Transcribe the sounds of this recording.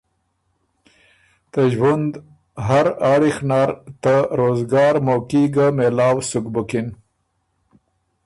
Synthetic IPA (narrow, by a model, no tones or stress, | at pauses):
t̪əʒwand̪ | ɦaɾaːɽixnaɾt̪aɾoːzɡɑːɾmokiɡamelɑːwsʊkbʊkɪn